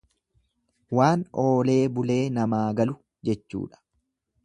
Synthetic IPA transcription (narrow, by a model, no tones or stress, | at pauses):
waːno̞ːle̞ːbʊle̞ːnɐmaːɡɐlʊ | d͡ʒɛt͡ʃːṵːᶑɐ̥